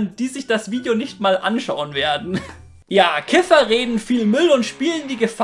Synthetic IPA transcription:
nd̥iːzɪçd̥asv̥iːdjonɪçtmaːlʔa̰nʃaʊənveːɐdn̩ | jaːkʰɪfɐʁeːdn̩fiːlmʏlʊntʃpiːləndiːɡəf

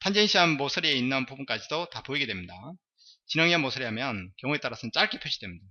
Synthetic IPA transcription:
tʰand͡ʑenɕʰiɦanmosʰɯɾie̞inːanpubunk͈ad͡ʑidotapoiɡe̞dwe̞mɲida | t͡ɕinʌŋiamosʰɯɾiɦamjʌnkjʌŋue̞t͈aɾasʰʌnt͡ɕ͈aɭk͈ʰipʰjoɕʰidwe̞mɲida

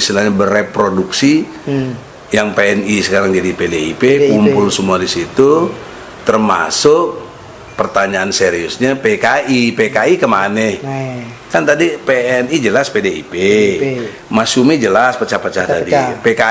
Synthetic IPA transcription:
st̪ilaɲabərepɾoduksi | jaŋpeɛnisəkaɾaŋd͡ʒadipedeipekumpʊlsəmuadisit̪u | t̪ərma̰sʊk̚ | pərt̪aɲaːnseɾiʊsɲapekaʔipekaikəmanɛ | kant̪adipeɛnid͡ʒəlaspedeḭpe | masumid͡ʒəlaspət͡ʃahpət͡ʃaht̪adipeka

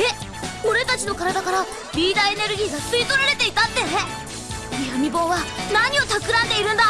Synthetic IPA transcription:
e | o̞ɾe̞t̪at͡ɕino̞kaɾad̪akaɾa | bʲiːd̪aene̞ɾɯ̟ɡʲiːɡasɨit̪o̞ɾaɾe̞t̪e̞it̪at̪ːe̞e | ijamʲibo̞ːβanaɲ̟io̞t̪akɯ̟ɾãnd̪e̞iɾɯ̟̃nd̪a

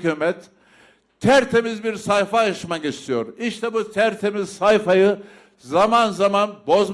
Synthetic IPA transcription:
kymɛt̪ | t̪ʰæɾt̪ʰe̞mizbiɾsajfajaʃɯmaɟet͡ʃt̪ʰijoɾiʃt̪ʰɛbut̪ʰæɾt̪ʰe̞mizsajfajɯ | zamanzamanbo̞z

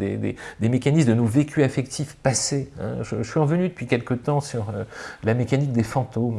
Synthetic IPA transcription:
d̪ḛd̪ḛd̪emekanismd̪ənovekʲʰyafɛk̚t̪ʰifpaseɛ̰̃ʒəʒəsɥiɑ̃vənyd̪əpɥikʲɛlkət̪ɑ̃syʁølamekanik̚d̪efɑ̃t̪om

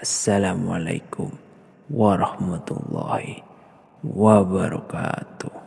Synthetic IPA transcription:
ʔasːalaːmala̰jkʊm | waɾˤɑhmat̪ṵlˤːɑːhi | wabaɾɑ̰kaːt̪uh

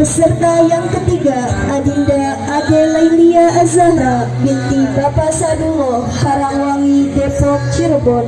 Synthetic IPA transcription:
bəsərt̪ajaŋkət̪iɡaainda | adelajliaʔazaɾa | biŋt̪ibapasadumɔ | haɾaŋwaŋidɛpɾɔk̚t͡ʃirbɔn

